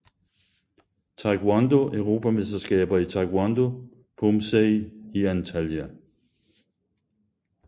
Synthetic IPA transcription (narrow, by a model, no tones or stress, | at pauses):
t͡sʰɑɡ̥wand̥oʔøʊʁo̝ːpʰæmesd̥ɐsɡ̥ɛ̰ːb̥ɐit͡sʰɑ̈ɡ̥wand̥o̝ | pʰomseɪiænt͡sʰæljæ